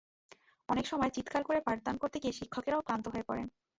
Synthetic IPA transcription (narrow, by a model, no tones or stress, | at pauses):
ɔnekʃɔmɔet͡ɕit̪kʰaɾkoɾepaɾ̚d̪ankoɾt̪ekieʃikʰːokeɾaopɾant̪oɦoepɔɾḛn